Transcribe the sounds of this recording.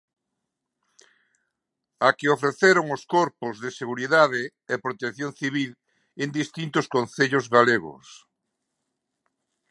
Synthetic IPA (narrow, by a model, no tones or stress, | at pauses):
akɪofɾeθeɾʊŋʊskoɾpʊzðɪseɣuɾiðaðɪ | epɾot̪ekθjonθiβil | end̪ist̪int̪ʊskonθeʎʊzɣaleɣʊ̰s